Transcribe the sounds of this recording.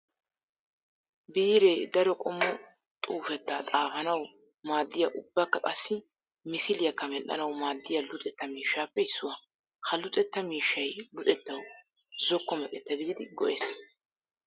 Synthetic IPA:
biːɾeːd̪ɐɾɔkʼɔmːɔ | t̪ʼuːfɛt̪ːɐt̪ʼaːfɐnɐw | maːd̪ːɪjɐʔʊbːɐkːɐkʼɐsːɪ | mɪsɪlɪjɐkːɐmɛʔɐ̰nɐwmaːd̪ːɪjɐlʊt̪ʼɛt̪ːɐmiːʃːaːpːɛɪsːʊwɐ | kɐlʊt̪ʼɛt̪ːɐmiːʃːɐjlʊt̪ʼɛt̪ːɐw | zɔkːɔmɐkʼɛt̪ːɐɡɪd̪ɪd̪ɪɡɔʔeːs

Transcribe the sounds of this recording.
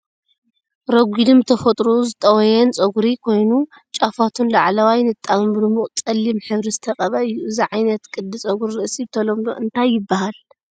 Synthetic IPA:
ɾɐɡʷid̪ɨmt̪ʰɐfɐt̪ʼɾozɨt̪ʼɐwɐjɛnt͡sʼɐɡuɾikʰo̞jnu | t͡ʃʼafat̪ʰunlaʕlɐwajnɨt̪ʼːamɨmbɨd̪ɨmuχʼt͡sʼɐlːimħɨβɾizɨt̪ʰɐqʼɐβɐɨjːuɨziʕajnɐt̪kʼɨd̪ːɨt͡sʼɐɡuɾiɾɐsʼiβt̪ʰɐlomlo̰ʔɨnt̪ʰajːɪbːahal

